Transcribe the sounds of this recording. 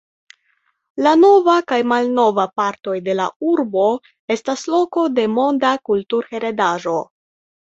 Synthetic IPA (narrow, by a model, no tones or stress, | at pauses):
lano̞vakajmalno̞vapaɾto̞jde̞la̰uɾbo̞ | e̞staslo̞ko̞de̞mo̞ndakultuɾxe̞ɾe̞daʒo̞